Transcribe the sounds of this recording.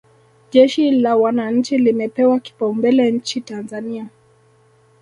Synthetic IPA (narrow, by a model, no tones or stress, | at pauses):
ʄɛʃilawanaɲ̩t͡ʃilimɛpɛwaki̥paumbɛlɛɲ̩t͡ʃitanzania